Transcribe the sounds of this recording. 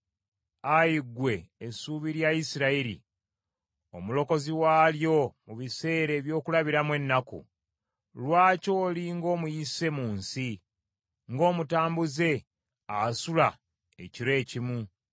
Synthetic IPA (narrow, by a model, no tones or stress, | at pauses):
ajiɡwe̞ːsuːβiɾjaisiɾaiɾḭ | omulo̞ko̞ziwaːljo̞muβise̞ːɾe̞ːβjo̞ːkulaβiɾamwe̞nːakṵ | lwaːco̞ːliŋɡo̞ːmujise̞muːnsi | ŋɡo̞ːmutaːmbuze̞ | asula | e̞̰ciɾe̞ːcimu